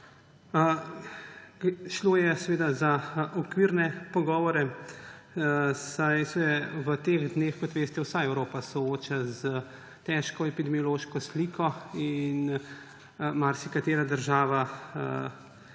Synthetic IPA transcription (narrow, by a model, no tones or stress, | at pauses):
ʃloːjɛsɛʋeːd̪azaʔɔkʋiːɾnɛpɔɡɔːʋɔɾɛ | sajsɛʋət̪eːɣd̪neːxkɔt̪ʋeːst̪ɛwsaɛwɾoːpasɔoːt͡ʃazə | t̪ɛʃkɔɛpid̪ɛmijɔloːʃkɔsliːkʰɔin | maɾsikat̪eːɾad̪əɾʒaːʋa